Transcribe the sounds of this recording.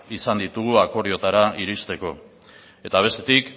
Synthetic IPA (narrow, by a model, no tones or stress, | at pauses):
isand̪it̪uɣ̞uako̞ɾio̞t̪aɾaiɾist̪e̞ko̞ | e̞t̪aβ̞e̞st̪e̞t̪ik